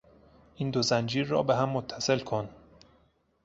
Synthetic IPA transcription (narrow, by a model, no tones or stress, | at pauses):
ʔiːnd̪ozænd͡ʒiːɾːɒ̰ːbeɦæmːot̪ʰːæse̞lkʰo̞n